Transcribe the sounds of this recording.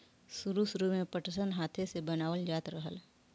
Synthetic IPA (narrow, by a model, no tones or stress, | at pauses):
sʊɾusʊɾumẽpəʈəsənɦaːt̪ʰesebənaːʋəld͡ʒaːt̪ɾəɦə̰l